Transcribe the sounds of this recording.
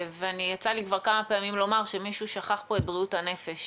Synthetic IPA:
veanijat͡salikvaʁkamapeamimlo̞maʁʃe̞miʃuʃaχaχpo̞et̚bʁiuthane̞fe̞ʃ

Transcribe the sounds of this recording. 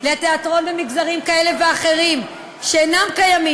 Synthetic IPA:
leat̪eat̪ʁo̞nbemiɡzaʁimkae̞le̞veaχe̞ʁim | ʃeenamkajami

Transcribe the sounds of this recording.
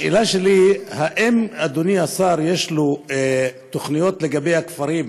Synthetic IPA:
ḭlaʃelihaʔemad̪oniasaɾje̞ʃlu | t̪oχnijo̞t̪leɡabe̞jhakfaɾim

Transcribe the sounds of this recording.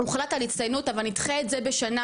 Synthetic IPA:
uχlatalit͡stajnutavalnit̪χeetzebe̞ʃana

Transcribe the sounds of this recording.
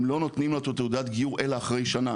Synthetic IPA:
mlo̞no̞t̪nimlat̪ot̪eud̪at̪ɡijuʁʔe̞laːχʁejʃana

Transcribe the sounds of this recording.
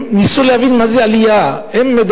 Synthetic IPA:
nisuleavinmazealijaemːed̪

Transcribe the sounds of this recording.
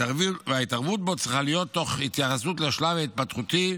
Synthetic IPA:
avivaitaʁvut̪̚bo̞t̪t͡sʁiχalijo̞t̪ːo̞χit̪jaχasutleʃlavait̪̚pat̪χut̪i

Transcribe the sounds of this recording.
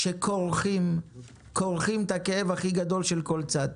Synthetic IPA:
ʃekʰoʁχim | koʁχimt̪akeevhaχiɡad̪o̞lʃe̞lko̞lt͡sad̪

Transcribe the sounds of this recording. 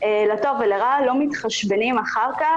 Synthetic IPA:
elato̞veleʁalo̞mitχaʃbenimaχaʁka

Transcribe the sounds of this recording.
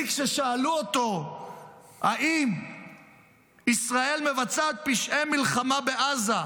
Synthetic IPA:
kʃeʃaːluot̪o̞ | haʔim | isʁae̞lme̞vat͡sat̪̚piʃʔemilχamabe̞ʔaza

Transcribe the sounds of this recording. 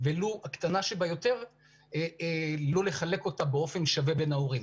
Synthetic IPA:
veluakt̪anaʃebajo̞t̪e̞ʁ | lo̞le̞χale̞ko̞t̪abeo̞fe̞nʃave̞be̞naoʁim

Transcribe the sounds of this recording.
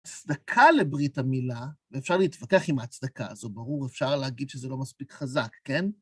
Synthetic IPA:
t͡sdakʰale̞bʁitamilaveːfʃaʁliːtvakeaχimat͡sd̪akaazo̞baʁuʁefʃaʁleaɡid̪ʃezelo̞maspikχazakːe̞n

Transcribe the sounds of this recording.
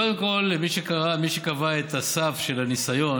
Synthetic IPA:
od̪emko̞lmiʃekaʁamiʃekavaet̪asafʃe̞lanisajo̞

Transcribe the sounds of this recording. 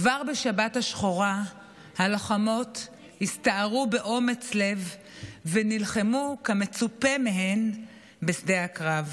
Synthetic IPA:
kvaʁbeʃabathaʃχoʁa | haloχamo̞t | histaaʁube̞ʔo̞me̞t͡sle̞vː | enilχemukame̞t͡supe̞meɦe̞n | besdeakʁav

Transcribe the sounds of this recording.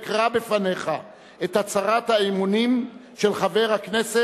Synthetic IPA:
kʁabefane̞χa | et̪hat͡saʁat̪haimunimʃelχave̞ʁhakne̞se

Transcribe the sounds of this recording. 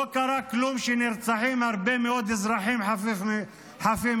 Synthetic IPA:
okaɾaklumʃeniɾt͡saħimhaʁbemeod̪izɾaħimħa | ħafim

